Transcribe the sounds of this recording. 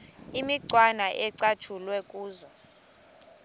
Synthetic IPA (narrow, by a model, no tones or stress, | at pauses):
imiǀwanaʔɛǀat͡ʃʰulwɛkʼuːzɔ